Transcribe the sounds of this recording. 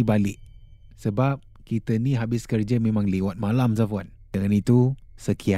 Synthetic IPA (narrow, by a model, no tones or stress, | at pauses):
ibalɪʔ̚ | səbap̚ | kit̪əniɦabɪskərd͡ʒəmẽmãŋlewat̪̚malams̬afuan | dəŋanit̪usəkʰia